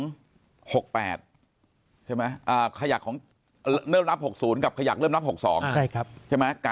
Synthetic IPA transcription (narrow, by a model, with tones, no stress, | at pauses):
ŋ | ho˨˩k̚pɛ̰ː˨˩t̪̚ | t͡ɕʰa˥˩jma˦˥jʔəː˨˩kʰa˧ja˨˩kʰːɔː˩˦ŋ | ɾɤː˥˩mɾa˦˥p̚ho˨˩k̚suː˩˦nka˨˩kʰa˧ja˨˩k̚ɤ˥˩mnɾa˦˥p̚ho˨˩k̚sɔ̰ː˩˦ŋt͡ɕʰa˥˩jkʰa˦˥p̚t͡ɕʰa˥˩ma˦˥ka˧